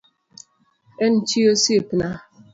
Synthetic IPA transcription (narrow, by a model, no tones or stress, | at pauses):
en̩t͡ʃiosiepna